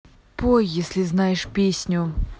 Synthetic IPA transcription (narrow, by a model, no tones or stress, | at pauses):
pojjɛsʲlʲiznajɛʂpʲesʲnʲʊ